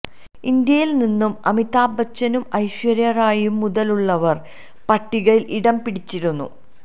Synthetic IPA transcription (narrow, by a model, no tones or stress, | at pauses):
ind̪jɐjilninːumɐmit̪aːbɐt͡ɕːɐnumɐjɕʋɐɾjɐraːjumːuðɐluɭːɐʋɐr | pɐʈːiɣɐɭilʔiɽɐmpiɽit͡ɕːiɾunːṵ